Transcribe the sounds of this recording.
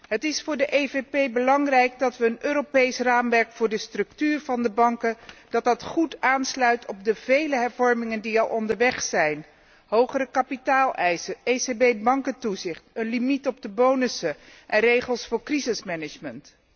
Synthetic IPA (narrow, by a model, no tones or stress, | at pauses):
ɦətɪsfʊːɹdəʔejvepejbəlɑŋrɛjɡ̚dɑtʋəːnøːɾopejsraːmʋɛɹkfʊːɹdəstrɵktyːɹvɑndəbɑŋkəd̥ɑt̚dɑtχutaːnslœɥtʰɔp̚dəvejləɦɛɹvɔɹmɪŋəndiɑlˠʔɔndəɹʋɛχsɛjn | ɦowχərəkapitaːlˠʔɛjsəʔesebejbɑŋkəntuzɪχtənlimitɔb̚dəbownəsəʔɛnrejχəlˠsfʊːɹkrizɪsmɛnɪd͡ʒmənt